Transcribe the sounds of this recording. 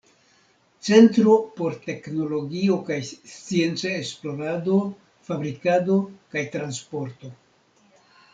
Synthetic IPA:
t͡se̞ntɾo̞po̞ɾte̞kno̞lo̞ɡio̞kajst͡sie̞nt͡saesplo̞ɾado̞ | fabɾikado̞kajtɾanspo̞ɾto̞

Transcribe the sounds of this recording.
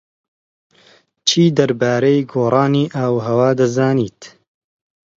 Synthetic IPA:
t͡ʃʰiːd̪ɐɾbaːɾɐjɡoːrˤɑːniːʔaːwɦɐwaːd̪ɐzaːniːt̪

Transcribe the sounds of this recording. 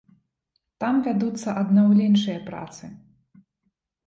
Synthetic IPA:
t̪amvʲad̪ut̪sːɐʔɐd̪nawlʲɛnʂɨjɐpɾa̰t̪sɨ

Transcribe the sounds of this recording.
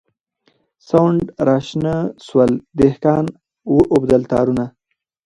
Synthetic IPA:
sawɳɖɾɑʃnəswald̪ehkɑːn | wəʔʊbd̪əlt̪ɑ̰ːɾuna

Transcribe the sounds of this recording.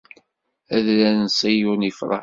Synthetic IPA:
æðlænnsˤijunifɾˤɑ̰

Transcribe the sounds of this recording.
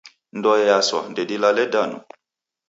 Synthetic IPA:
ndɔɛjaswa̰ndɛdilalɛdanṵ

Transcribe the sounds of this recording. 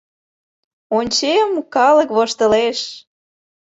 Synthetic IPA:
onʲt͡ɕemkɑləkβoʃt̪ə̆leʃ

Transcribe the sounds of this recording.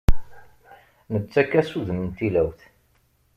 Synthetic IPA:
nət͡sːækːæsuðnənt̪ilæwθ

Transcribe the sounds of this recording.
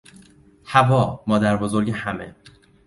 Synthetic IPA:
hævɒːmɒːd̪æɾbozo̞ɾɟehæmḛ

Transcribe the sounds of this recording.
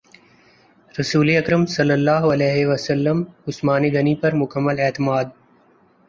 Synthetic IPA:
ɾɐsuːleɐkɾəmsɐlːəlːaːɦɐlɛːɦeʋɐsɐlːəmʊsmaːneɡɐnipɐɾmʊkəmːəlɛːt̪ɪmaːd̪̚

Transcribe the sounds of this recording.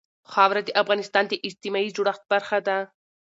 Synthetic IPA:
xɑwɾad̪eʔafɣɑnɪst̪ɑnd̪eʔɪst̪ɪmɑid͡ʒuɽaxt̪̚baɾxad̪a

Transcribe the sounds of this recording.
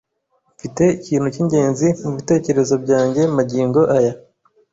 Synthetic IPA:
mfite̞iciːn̥huciɲɟe̞ːnzimuβite̞ːce̞ɾe̞zo̞bɟaːɲɟe̞maɟiːŋɡo̞ʔaja

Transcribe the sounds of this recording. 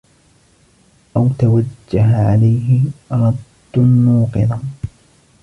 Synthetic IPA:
ʔawt̪awad͡ʒːaɦaʕalajɦɪɾˤɑd̪ːnːuːqɨðˤa

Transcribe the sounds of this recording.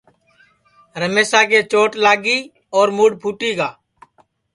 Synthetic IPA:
ɾəmeːsaːkeːt͡ʃoːʈlaːɡiː | ɔːɾmuːɽpʰuːʈiːɡaː

